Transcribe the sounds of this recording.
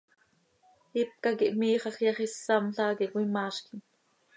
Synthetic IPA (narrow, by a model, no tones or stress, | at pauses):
ip̚kɑkiʔmiːχɑχjɑχisːɑmɬɑːkiʔwimɑːʃkin